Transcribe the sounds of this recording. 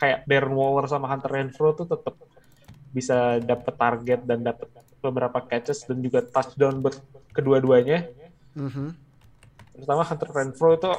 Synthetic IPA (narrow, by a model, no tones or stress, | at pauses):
kajaʔdɛrnwɔlərsamaɦant̪ərɛnfɾot̪ut̪ət̪əp̚ | bisadapət̪ːarɡɛt̪̚dandapət̪̚ | bəbəɾapakɛt͡ʃəsdand͡ʒuɡat̪asdawnbərkəduaduaɲa | t̪əɾut̪amaɦant̪ərːɛnfɾoit̪u